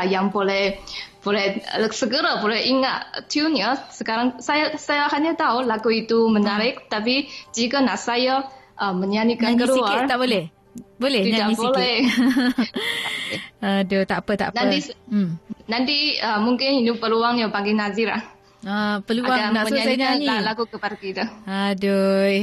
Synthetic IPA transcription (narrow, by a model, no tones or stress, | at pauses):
jaŋbolɛhbolɛhsəɡəɾəbolɛhiŋa̰t̪t̪junjəsəkaɾaŋsajasajaɦaɲət̪aulakuit̪umənaɾɪk̚t̪apid͡ʒikənaʔsajaʔəməɲanikakəlart̪aʔbolɛh | bolɛdiɲadaibolɛ | ədot̪aʔpət̪a̰ʔnani | nant̪iəmuŋkɪninipəluaŋjaŋpaŋɡɪnazɪɾa̰h | əpəluaɡaŋnaʔməsasaɲanialakukəpadakit̪uado